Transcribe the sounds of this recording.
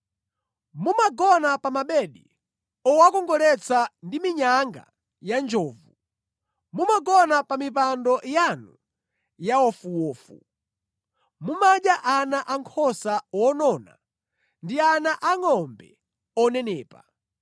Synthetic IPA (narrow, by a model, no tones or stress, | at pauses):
mumaɡɔnapamaɓɛɗi | ɔwakɔŋɡɔlɛt͡sʰandimiɲaŋɡa̰ | jand͡ʒɔːvu | mumaɡɔnapamipandɔjanu | jawɔfuwɔːfṵ | mumaɗaʔanaʔaŋkʰɔsawɔnɔna̰ | ndianaʔaŋɔmbɛ̰ | ɔnɛnɛːpa